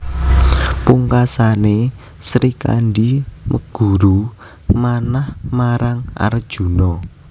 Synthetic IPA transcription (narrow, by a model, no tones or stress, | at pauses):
puŋkasane | sɾika̰ɳɖiməɡ̥ṳɾu | manahmaɾaŋa̰ɾd̥ʒ̥ṳnɔ